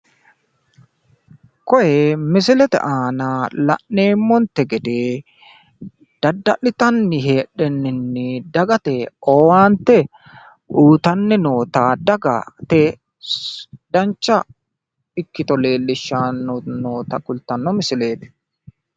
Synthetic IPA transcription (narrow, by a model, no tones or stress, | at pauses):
kɔjɛmɪs̬ɪlɛt̪ɛ̰ʔaːnaːlɐ̰ʔːe̞ːmːɔnt̪ːɛɡɛd̪eː | d̪̥ɐd̪ːɐʔɪt̪ɐnːɪɦeːᶑɛnːɪnːɪd̪ɐɡɐt̪eːɔːwaːnt̪ɛ | ʔuːt̪ɐnːɛno̞ːt̪aːd̪ɐɡa̰t̪ɛ | d̪ɐnt͡ʃːɐ | ɪkːɪt̪ɔle̞ːlːɪʃːaːnːnoːt̪ɐkʼʊlt̪ːɐnːɔmɪsɪle̞ːt̪ɛ̥